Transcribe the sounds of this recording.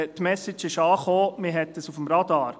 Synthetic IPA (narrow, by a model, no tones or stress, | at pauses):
tmɛsɪt͡ʃɪʃɑːχoːmɪɦɛt̪əsufəmɾɑd̪ɑːɾ